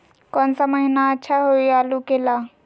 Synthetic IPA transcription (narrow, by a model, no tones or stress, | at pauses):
kɔːnsaməɦinaətːʃʰaɦoiaːlukelaː